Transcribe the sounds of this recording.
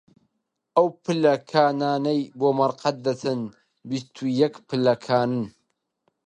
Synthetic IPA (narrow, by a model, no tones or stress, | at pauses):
ʔɐwpɨlɐkʰaːnaːnɐjboːmɐɾqɐt̪̚d̪ɐt̪ʰɨn | bist̪ʰujɛkpɨlɐkʰaːnɨn